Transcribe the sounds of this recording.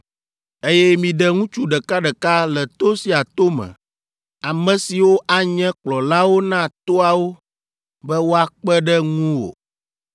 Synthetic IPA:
e˦jɛ˦mĩ˨ɖɛ˨ŋũ˦t͡ʃu˦ɖɛ˨ka˦ɖɛ˨ka˦lɛ˨t̪o˦si˨a˨t̪o˦mɛ̰̃˨ | a˨mɛ̃˨si˨wo˦ʔa˨ɲɛ̃˦k͡plɔ˨la˦wo˦nã˦t̪o˦a˨wo˦ | bɛ˦wo˦a˨k͡pɛ˦ɖɛ˦ŋũ˦wo̰˨

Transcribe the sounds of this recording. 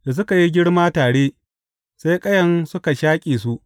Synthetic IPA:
da˨s̬ʊ˦ka˨ji˦ɡʲɪ˦ɽmaː˦taː˨ɽeː˦ | sa˦jkʼɐ˦jɐ˦nsʊ˦ka˨ʃaː˦kʲʼeː˨s̬u˦ʔ

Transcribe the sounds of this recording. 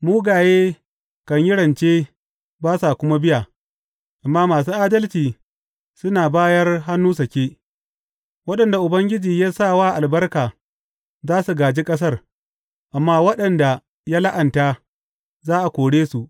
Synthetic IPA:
muː˦ɡaː˨jeː˦ | kɐ˨ɲjɪ˦ɽɐ˨nt͡ʃeː˦ | baː˦sa˨kʷʊ˦ma˦bɪ˦ja˨ | ʔa˨mːaː˦maː˨s̬uː˦ʔaː˦dɐ˦lt͡ʃiː˨ | sʊ˦naː˨baː˦jɐ˦rɦa˦nːuː˦s̬ɐ˨kʲeː˦ | wɐ˦ɗɐ˨nda˨ʔʊ˨bɐ˦ŋɡʲɪ˦d͡ʒiː˨jaː˦saː˦˨waː˦ʔa˨lbɐ˦rkaː˨ | zaː˦su˨ɡaː˨d͡ʒiː˦kʼɐ˦s̬ɐ˦r | ʔa˨mːaː˦wɐ˦ɗɐ˨nda˨ | jaː˦la˦ʔɐ˨ntaː˦ | zaː˦ʔa˨kʷoː˨ɽeː˦su˨ʔ

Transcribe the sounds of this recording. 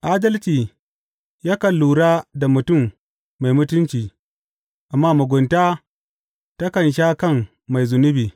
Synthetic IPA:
ʔaː˦dɐ˦lt͡ʃiː˨ | jaː˦kɐ˨lːuː˨ɽaː˦da˨mʊ˨tʊ˦˨mː | a˨jmʊ˦tʊ˦nt͡ʃiː˨ | ʔa˨mːaː˦mʊ˨ɡʷʊ˨ntaː˦ | ta˦kɐ˨nʃ̬aː˦kɐ˦˨ŋː | a˨jzʊ˨nʊ˦biː˨

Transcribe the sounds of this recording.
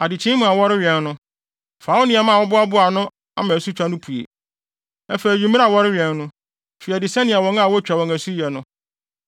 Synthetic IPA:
a˨dɪ˨t͡ɕʰĩ˦mũ˨a˨wɔ˦ɾɪ˦ɥɛ˨nː˦ʊ̃˦ | faː˨˦ʊ˦nɪ̃˨a˨mã˦˨wɔ˦bʊ˦a˦bʊ˦a˨nʊ̃˦ | a̰˦mã˨su˦t͡ɕᶣa˦nʊ̃˦pʰu˨ḛ˨ | ɛ˦fe˨jᶣi˨mĩ˦a˨wɔ˦ɾɪ˦ɥɛ˨nːʊ̃˦ | fi˨a˨dɪ˨sɛ˦nɪ̃˨a˨wɔ̃˦ŋa˦˨wɔ˦t͡ɕᶣa˨wɔ̃˨ŋæ˨su˦jɛ˨nʊ̃˦

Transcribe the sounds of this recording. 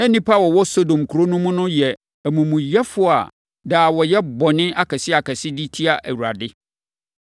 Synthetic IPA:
ɛ˦nĩ˦pʰa˦wɔ˨wɔ˦so˦dõ˨mkʰu˨ɾo˦nũ˦mʊ̃˦nʊ̃˦jɛ˨ | æ˨mũ˨mũ˨jɛ˦fʊ˦a̰˨ | daː˨wɔ˨jɛ˦bɔ˨nɪ̃˦ʔa˦kʰɛ˨sɪ˦a˨kʰɛ˨sɪ˦di˦tʰi˦a˨ʔæ̰˨wu˨ɾa˨dɪ˦

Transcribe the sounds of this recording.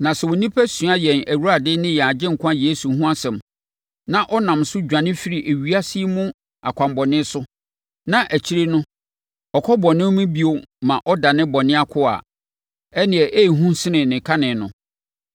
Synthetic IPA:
nã˨sɛ˨wo˨nĩ˦pʰæ˦sɥa˦jɛ˨næ˨wu˦ɾa˨dɪ˦nɪ̃˦jɛ˨a˨d͡ʑɪ̃˦ŋ̩˨kʰʊ̃˦a˦jeː˨˦su˨hũ˦a˦sɛ̃˨m | nã˨ʔɔ˦nã˨msʊ˦d͡ʑᶣã˨nɪ̃˦fi˦ɾi˨ʔæ˨ɥi˨a˦si˦mʊ̃˦ | a̰˨kʷʰã˨mbɔ˨nɪ̃˦sʊ˦ | nã˨ʔæ˨t͡ɕʰi˦ɾe˦nʊ̃˦ | ɔ˨kʰɔ˦bɔ˨nɪ̃˦mĩ˦bi˦o˨mã˨ʔɔ˦da˨nɪ̃˦bɔ˨nɪ̃˦a˦kʰʊ˦a̰˨ | ɛ˦nɪ̃˨ɛ˨ʔe˦˨ɦũ˦sɪ˦nɪ̃˨nɪ̃˨kʰa˦nɪ̃˨nʊ̃˨

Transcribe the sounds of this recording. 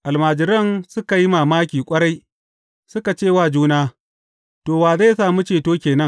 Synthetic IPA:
ʔa˨lmaː˨d͡ʒɪ˨ɾɐ˦nsʊ˦ka˨ji˦maː˨maː˦kʲiː˨kʷʼɐ˦ɽa˦j | sʊ˦ka˨t͡ʃeː˦˨waː˦˨d͡ʒuː˦naː˦ | toː˨waː˨zaː˦˨saː˨mu˦t͡ʃeː˨toː˦kʲeː˨nɐ˦ŋ

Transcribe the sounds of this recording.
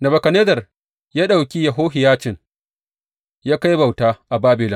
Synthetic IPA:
nɐ˨bɐ˨kɐ˨neː˦dɐ˨r | jaː˦ɗa˨wkʲi˦jɐ˨ɦoː˦ɦɪ˨jaː˦t͡ʃɪ˨ŋ | jaː˦ka˦jba˨wtaː˦ʔa˨baː˦bɪ˨lɪ˦

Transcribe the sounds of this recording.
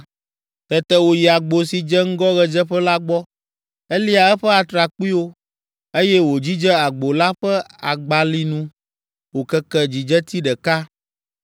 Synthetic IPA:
t̪ɛ˨t̪ɛ˦wo˨ji˨a˨ɡ͡bo˨si˨d͡ʒɛ˦ŋ̩˦ɡɔ˦ɣɛ˨d͡ʒɛ˦ɸɛ˦la˦ɡ͡bɔ˦ | e˦li˦a˨ɛ˦ɸɛ˦a˨t̪ɾa˨k͡pi˦wo˦ | e˦jɛ˦wo˨d͡ʑi˦d͡ʒɛ˦a˨ɡ͡bo˨la˦ɸɛ˦a˨ɡ͡ba˨li˦nũ˦ | wo˨kɛ˦kɛ˦d͡ʑi˨d͡ʒɛ˦t̪i˦ɖɛ˨ka˦

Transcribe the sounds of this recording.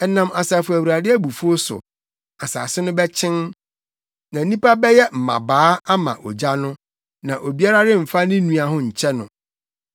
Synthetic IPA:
ɛ˨nã˨ma˨saː˨fʊ˨æ˨wu˨ɾa˨dɪ˦æ˦bu˨fu˦o˦sʊ̰˨ | a˨sa̰˨sɪ˦nʊ̃˦bɛ˦t͡ɕʰɪ̃˦n | nã˨˦nĩ˦pa˦bɛ˦jɛ˦m̩˨mã̰˨baː˨˦a˦mã̰˨ʔɔ̰˨d͡ʑa˦nʊ̃˦ | nã˨ʔo˨bi˦a˦ɾa˦ɾɪ˦m̩˨fa˦nɪ̃˦nũ˦a˨ɦʊ̃˦ɲ̩˨t͡ɕʰɛ˦nʊ̰̃˨

